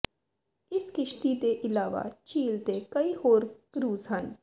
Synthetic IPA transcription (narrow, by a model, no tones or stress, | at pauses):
ɪskɪʃt̪it̪eʔɪlaːʋa̰t͡ʃiːlt̪ekɐihoːɾkɾuːzɦən